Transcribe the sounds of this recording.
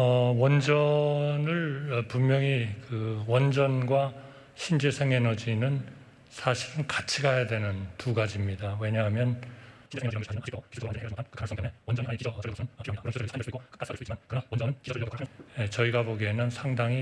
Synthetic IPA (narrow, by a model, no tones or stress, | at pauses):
ʌwʌnd͡ʑʌnɯɭpummjʌŋikɯwʌnd͡ʑʌnɡwa | ɕʰind͡ʑesʰeŋe̞nʌd͡ʑinɯn | sʰaɕʰiɾɯnkat͡ɕʰiɡajadwe̞nɯntuɡad͡ʑimɲidawe̞ɲaɦamjʌn | jet͡ɕʌiɡaboɡenɯnsʰaŋdaŋi